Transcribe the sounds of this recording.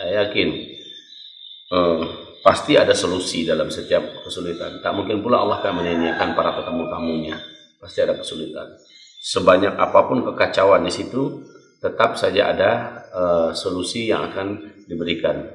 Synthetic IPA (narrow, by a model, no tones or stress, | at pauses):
sajakɪn | əpast̪iadasolusidalamsət̪iap̚kəsulit̪a̰nt̪aʔmuŋkɪnpulaa̰lːahkaməɲaniakanpaɾapət̪əmut̪amuɲa | past̪iadakə̥sulit̪a̰n | səbaɲakapapʊnkəkat͡ʃawandisit̪u | t̪ət̪ap̚sad͡ʒaʔa̰daəsolusija̰ŋa̰kandibəɾikan